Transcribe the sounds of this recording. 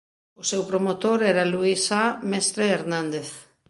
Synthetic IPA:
ʊsewpɾomot̪oɾɛɾaluisamest̪ɾeeɾnãnd̪eθ

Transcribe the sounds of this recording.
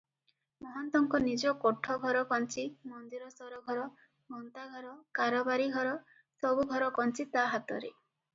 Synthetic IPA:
mɔɦɔnt̪ɔŋkɔnid͡ʒɔkɔʈʰɔɡʱɔɾɔkɔnt͡ʃimɔnd̪iɾɔsɔɾɔɡʱɔɾɔ | mɔnt̪aɡʱɔɾɔkaɾɔbaɾiɡʱɔɾɔ | sɔbuɡʱɔɾɔkɔnt͡ʃit̪aɦat̪ɔɾḛ

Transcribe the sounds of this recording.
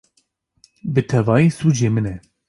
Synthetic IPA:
bɨt̪ʰɛvɑːjisuːd͡ʒemɨnɛ

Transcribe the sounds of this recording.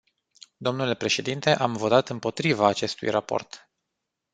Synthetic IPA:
d̪o̞mnule̞pɾe̞ʃe̞d̪int̪e̞ʔamvo̞t̪at̪ɨmpo̞t̪ɾivaːt͡ʃe̞st̪ṵjrapo̞̰rt̪

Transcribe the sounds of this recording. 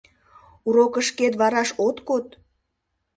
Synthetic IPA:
uɾokəʃket̪βɑɾɑʃot̪kot̪

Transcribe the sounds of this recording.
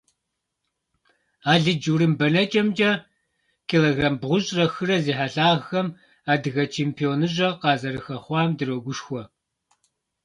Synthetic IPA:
aːɮɨd͡ʒuɾɨmbɐnɐt͡ʃʼɐmt͡ʃʼɐ | kʰeloɡraːmbʁʷʊɕʼrɐxɨrɐziːħaɬaːʁːɐm | aːdɨɣɐt͡ʃʰeːmpʰijoːnɨʑʼɐqɑːzɐɾɨxɐχʷɑːmdɨroɡʷʊʃxʷɔ

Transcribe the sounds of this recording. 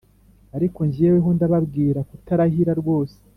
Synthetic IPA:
aɾiko̞ɲɟijeweɦondaβabɡiːɾakutaɾahiɾaɾɡwo̞ːse̥

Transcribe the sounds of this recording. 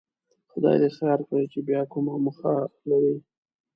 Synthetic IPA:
xʊd̪ɑ̰jd̪esaɾkaɽit͡ʃebjɑkʊmamʊxalaɾi

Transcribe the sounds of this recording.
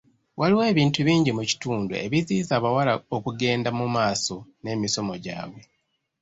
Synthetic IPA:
waliwe̞ːβiːntuβiːɲɟimuci̥tuːndṵʔe̞̰βiziːzaːβawalaokuɡe̞ːndamumaːso̞ne̞ːmiso̞mo̞ɟa̰ːβwe̞

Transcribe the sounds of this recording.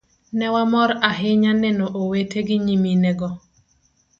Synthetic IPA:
nɛwamɔɾaɦɪɲanɛnoʔowetʰeɡiɲiminɛɡɔ

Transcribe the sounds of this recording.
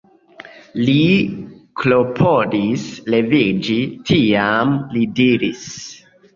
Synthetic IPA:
li | klopʰodisle̞vid͡ʒitʰiamlidiɾis

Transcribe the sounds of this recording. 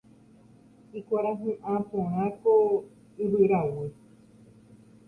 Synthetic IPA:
ikʷaɾaɦẽʔãpẽɾ̃ãko | iβɨɾawe

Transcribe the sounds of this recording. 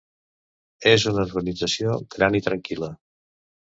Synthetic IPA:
ezunəuɾɣənid͡zəsioɡ̥ɾanit̪ɾəŋkilə

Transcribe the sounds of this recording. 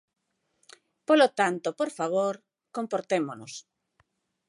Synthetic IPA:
polot̪ant̪opoɾfaβ̞oɾ | kompoɾt̪emonos

